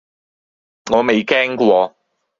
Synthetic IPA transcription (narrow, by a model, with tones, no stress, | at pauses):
ŋɔː˨˧me˨jkɛː˥ŋkwɔː˧